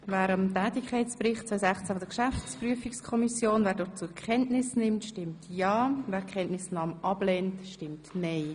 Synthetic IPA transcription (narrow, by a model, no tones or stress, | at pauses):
vɛːɾɑmtɛːtɪkʰaɪt͡sprɪχtt͡svœʏsæχt͡sæfɔdəkʃæft͡spryəfikskʰɔmisjoːnvɛːɾdɔt͡sukʰχɛntnɪsnɪmtʃtɪmtjɑːvɛːɾkχɛntnɪsnɑːmʔɑb̥lɛntʃtɪmtnɛɪ